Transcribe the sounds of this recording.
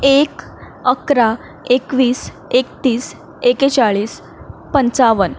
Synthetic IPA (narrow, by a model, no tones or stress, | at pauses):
ek | əkɾa | ekʋiːs | ek̚t̪iːs | eket͡saɭiːs | pənt͡saʋən